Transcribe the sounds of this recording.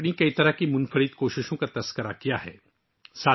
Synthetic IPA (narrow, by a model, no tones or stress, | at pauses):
nikɐit̪ɐɾəɦkimʊnfəɾit̪koːʃɪʃõkat̪ɐskəɾakijaɦɛ̰ː | saː